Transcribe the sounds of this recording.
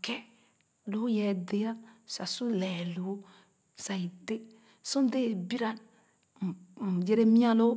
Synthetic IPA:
kɛ˦ | lo˦jɛ˨˦de˨ja˦sa˨su˦lɛ˨lo˨˦ | sa˨i˨de˦ | sũ˦n˦de˦˨bi˦ɾa˨n˨ | d͡ʒe˦ɾe˦mĩ˦a˦lo˦

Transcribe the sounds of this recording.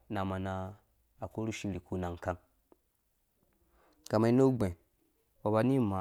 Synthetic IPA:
na˨ma˨na˨ | a˨ko˦ɾu˦ʃi˦li˨ku˦na˨ŋ˨ka˦n | ka˨ma˨i˦no˦ɡ͡be˨ | wa˨ba˨ni˦ma˨

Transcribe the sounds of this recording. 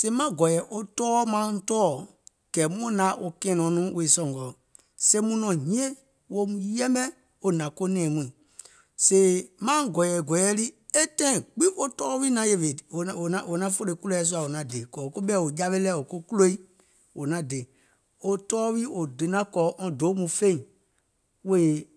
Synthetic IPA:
se˧i˦mã˦ɡɔ˨jɛ˨˦ʔo˦tɔː˦mã˨˦tɔː˦˨ | kɛ˨mũ˦nã˨˦ʔo˧kɛ̃ː˨˦nɔ̃˨˦nũ˦we˨sɔ̃˨ŋ˨ɡɔ˨ | se˧˦mũ˦nɔ̃˨ɲĩ˦ẽ˦ | wo˧mũ˧jɛ˦mbɛ̃˦ | o˦nã˨ko˦nɛ̃ː˨mĩ˨ | se˧i˨mã˦ɡɔ˨jɛ˨ɡɔ˨jɛ˦li˦e˦tɛ̃˦ĩ˨ɡ͡bĩ˦ʔo˦tɔː˦wi˦nã˨˦je˨ʋẽ˨o˨nã˨o˨nã˦fo˦le˧˨˦ku˦lo˦ɛ˧˦s̬u˦a˨o˨nã˨de˨kɔ˨o˨ko˦ɓɛ˦˨o˨d͡ʒa˦ʋe˦lɛ˦o˨ko˦ku˦lo˦i˦ | wo˨nã˨˦de˨˦ | o˨tɔː˦wiː˦ʔo˨de˨nã˦kɔː˨˦ʔɔ̃˧do˨˦mũ˨˧fẽ˦ĩ˨ | we˦e˨

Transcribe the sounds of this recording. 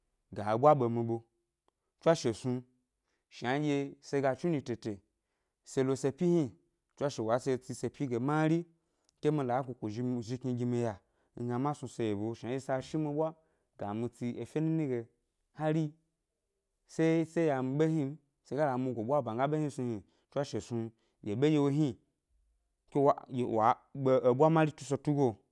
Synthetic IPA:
ɡa˨bʷa˦ɓo˨mi˧ɓo˧ | t͡ʃʷa˦ʃe˨su˧ | ʃa˨˦d͡ʒʲe˧se˧ɡa˧t͡ʃu˦ni˧te˨te˨ | se˧lo˧se˧pʲi˦hi˦ | t͡ʃʷa˦ʃe˨wa˨˦se˧t͡si˧se˧pʲi˦ɡe˨ma˦ɾi˦ | ke˦mi˧la˨˦kʷu˨kʷu˨ʒi˧ʒi˧ki˧ɡʲi˧mi˧ja˨ | ŋ̩˦ɡa˧ma˦su˧se˧je˨bo˨ʃa˨˦d͡ʒe˧sa˧ʃi˦mi˧ɓʷa˦ | ɡa˨mi˧t͡si˧e˨fʲe˦nu˦ni˦ɡe˨ | ha˦ɾi˦ | se˦se˦ja˨mi˧ɓe˦ɦi˦ | se˧ɡa˦la˨mi˧ɡʷo˨ɓʷa˦˨ba˨ŋɡa˦ɓe˦hi˦su˧hi˨ | t͡ʃʷa˦ʃe˨su˧ | je˨ɓe˦je˧wo˧ɦi˦ | ke˦wa˨jwa˨ | ɓe˧o˨bʷa˦ma˦ɾi˦tu˦so˧tu˦ɡo˦

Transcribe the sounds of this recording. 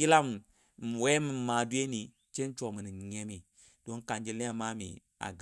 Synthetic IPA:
ji˦la˦m˨ | wɛ˦mi˨maː˨du˦e˦ni˨ | t͡ʃe˦n˦t͡ʃɔ˨mɨ˨ni˨ɲɛ˦mi˨ | d̥o˦ŋka˨nd͡ʒi˦le˦a˨ma˦mḭ˨ | a̰˨ɡ

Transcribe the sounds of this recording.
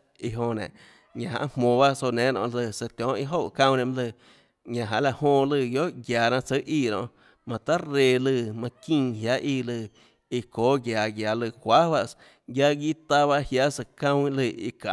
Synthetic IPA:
i˧ɦõ˧nḛ̃˨ | ɲã˨ɦã̰˧ʔmmõː˨ba˦so˧nẽː˨˦nɔ̰̃˧˨ʔlɨ˧˨sə˧t̪ʲjɔ̃ː˨˦ʔi˧˦ɦo˦˨ʔkã˧wnẽ˧˨m˦lɨ˧˨ | ɲã˨ɦã̰˧ʔla˧ʔhõː˧˨lɨ˧˨ɡjo˦ʔɡjaː˨nã˧t͡sə˦ʔiː˧˨ɾõ̰˧ʔ | mã˨t̪a˦ɾe˧˨lɨ˧˨mã˧kĩ˧˨hja˦ʔiː˧˨lɨ˧˨ | i˧koː˨˦ɡja˨ɡja˨lɨ˧˨kʷa˦wa˧s | ɡja˧ɡiː˦˨t̪a˧βa˦hja˦ʔsə˧˨kã˧wĩ˦lɨ˧˨ḭ˧ka̰˨

